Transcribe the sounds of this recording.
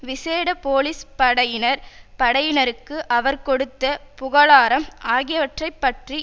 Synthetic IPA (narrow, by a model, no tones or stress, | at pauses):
ʋɪseːɽɐpoːlispɐɽɐjɪnɐɾpɐɽɐjɪnɐɾɯkːɯʔɐʋɐɾkɔɽɯt̪ːɐpʊɣɐɭaːɾɐmʔaːɣɪjɐʋɐʈrɐɪpːɐʈri